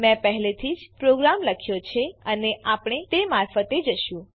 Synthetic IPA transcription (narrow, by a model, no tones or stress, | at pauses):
mɛ̃pəɦlet̪ʰid͡ʒpɾoɡɾamləkʰjot͡ʃʰeəneapɽ̃et̪emaɾfət̪ed͡ʒəʃũ